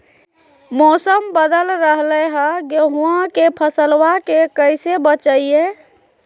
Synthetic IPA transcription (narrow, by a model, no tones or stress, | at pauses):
mɔsəmbəd̪əlɾəɦlɛɦəɡeɦuãkepʰəsəlwakekəɪsebət͡ʃəije